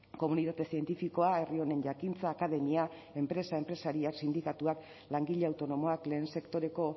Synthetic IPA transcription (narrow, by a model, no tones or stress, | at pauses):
ko̞munit̪at̪e̞sie̞nt̪ifiko̞ae̞rio̞ne̞nʝakint͡saːkaðe̞mia | e̞mpɾe̞saempɾe̞saɾiaksind̪ikat̪uak | laŋɡiʎe̞awt̪o̞no̞mo̞akle̞ːnse̞kt̪o̞ɾe̞ko̞